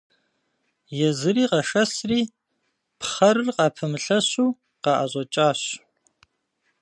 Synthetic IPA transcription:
jɛzɨɾiːqɐʂɐsriː | pχɐɾɨrqɑːpʰɐmɨɬɐɕuː | qɑʔɐ̰ʑʷʼɔt͡ʃʼaːɕ

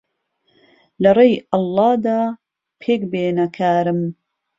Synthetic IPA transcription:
lɐrejʔɑlːɑːd̪aː | pʰeːkbeːnɐkʰaːɾɨm

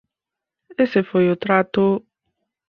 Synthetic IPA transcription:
esefojot̪ɾat̪ʊ

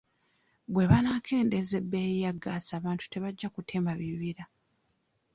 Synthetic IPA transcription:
bwe̞βanaːkʰe̞ːnde̞ze̞bːe̞jaɡasaːβaːntu̥te̞βaɟːakutʰe̞maβiβiɾa

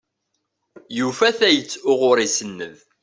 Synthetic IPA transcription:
jufæθæjət͡sːʊʁʊɾˤisənːəð

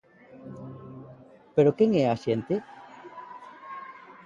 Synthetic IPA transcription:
peɾokeŋeasjent̪e

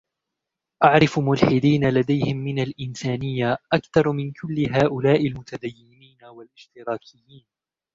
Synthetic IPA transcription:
ʔaʕɾɪfmʊlħɪd̪iːnalad̪ajhɪmːɪnalʔɪnsaːnɪjːaʔakθɑɾˤmɪnkʰʊlːɪɦaːʔʊlaːʔɪlmʊt̪ad̪ajːɪmiːnawalʔɪʃt̪ɪɾɑːkʰɪjːiːn

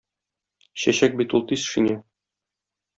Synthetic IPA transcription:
ɕæɕæk̚bit̪ulˠt̪isʃinʲæ

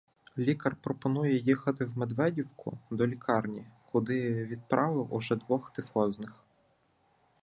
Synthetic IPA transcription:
lʲikɐrpɾɔpɔnujɛjixɐt̪ɪwmed̪ʋɛdʲiwkʰʊ̰d̪ɔlʲikʰɑrnʲikʰʊd̪ɪʋʲid̪̚pɾʔɑʋɪwʊ̰ʒɛd̪ʋɔxt̪ɪfɔznɪx

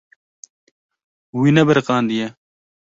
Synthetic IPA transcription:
winɐbɐɾqɑːnd̪ija

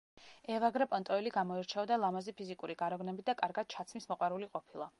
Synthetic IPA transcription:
ɛvaɡɾɛpʼɔnt̪ʼɔɛliɡamɔiɾt͡ʃʰɛɔd̪alˠamazipʰizikʼuɾiɡaɾɔɡnɛbid̪akʼaɾɡad̪̥̚t͡ʃʰat̪sʰmismɔqʼwaɾuliqʼɔpʰilˠa

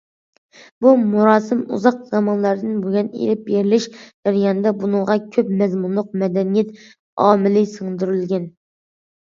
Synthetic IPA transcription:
bumuɾɑːsɨmṵzɑq̚z̥ɑmɑnlˠɑɾd̪ɨnboɡʲɛnḛɾɪp̚beɾɪlɪʃd͡ʒɛɾjɑːnɨd̪ɛbunɨŋʁɑkʲʰøpmɛzmunlˠʊq̚mɛd̪ɛnijɛt̪ | ɑ̰ːmɪlɪsəŋd̪yɾylɡʲɛn

